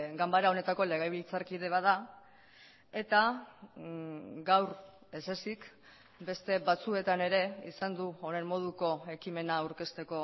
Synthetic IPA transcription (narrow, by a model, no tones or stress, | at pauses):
ɡambaɾao̞ne̞t̪ako̞le̞ɣajβ̞ilt͡saɾkið̞e̞β̞aða | e̞t̪a | ɡawɾ | e̞se̞sik | be̞st̪e̞βat͡sue̞t̪ane̞ɾe̞ḭsand̪uone̞mmo̞ð̞uko̞e̞kime̞nawɾke̞st̪e̞ko̞